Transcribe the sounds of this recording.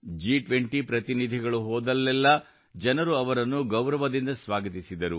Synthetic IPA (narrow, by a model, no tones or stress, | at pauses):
d͡ʒiːʈʋeɳʈipɾɐt̪inid̪ʱiɡɐɭuɦɔːd̪ɐlːɛlːɐ | d͡ʒɐnɐɾuɐʋɐɾɐnːuɡɐwɾɐʋɐd̪ind̪ɐsʋaːɡɐt̪isid̪ɐɾu